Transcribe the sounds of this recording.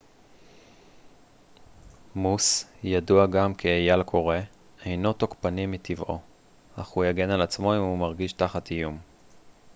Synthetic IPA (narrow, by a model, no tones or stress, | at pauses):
musjaduaɡamkʰejalkʰo̞ʁe̞ | ejno̞tokpanimːitʰivʔo̞̰ | aχhujaɡe̞nalat͡smo̞imumaʁɡiʃtaχatijum